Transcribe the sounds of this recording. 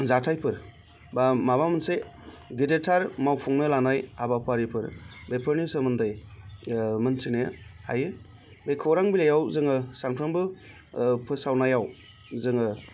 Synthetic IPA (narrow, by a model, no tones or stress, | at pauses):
zatʰajpʰɯɾ | bamaβamɯnse | ɡidetʰaɾmawpʰuŋnɯlanajabapʰaɾipʰɯɾbepʰɯɾnisɯmɯndɯj | mɯnsineha̰jɯ | bekʰɯwɾaŋbilajawzɯŋɯsaŋpʰɾaŋbɯ | pʰɯsawnajaw | zɯŋɯ